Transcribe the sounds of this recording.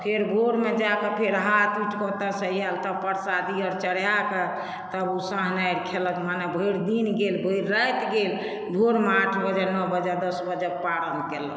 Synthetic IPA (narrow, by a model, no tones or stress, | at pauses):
pʰeɾbʱoɾmed͡ʒakepʰeɾɦat̪uʈkɔt̪asəjalt̪əpəɾsad̪iɔɾt͡ʃəɽ̤jake | t̪əbusãɦnajɾkʰeləkmanebʱəiɽd̪inɡelbʱəjɾɾəjt̪ɡel | bʱoɾmeaʈʰbəd͡ʒanɔbəd͡ʒad̪əsbəd͡ʒəpaɾənkelə̰